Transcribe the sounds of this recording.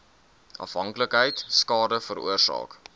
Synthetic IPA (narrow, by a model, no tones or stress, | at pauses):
ʔɐ̰fɦɐŋkləkɦəjtskɑːdəfəɾṵərsɑ̰ːk